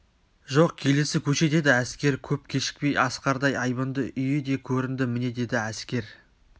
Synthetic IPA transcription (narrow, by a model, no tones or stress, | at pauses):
ʒo̞qkʲʰe̞le̞sɪkʲʰɵʃe̞d̪e̞d̪ɪæskʲe̞ɾkʲʰɵp̚kʲʰe̞ʃɪ̥k̚pe̞jɑsqɑɾd̪ɑjɑjbənd̪əʔʏje̞d̪e̞kʲʰɵɾɪnd̪ɪmɪne̞d̪e̞d̪ɪæskʲe̞ɾ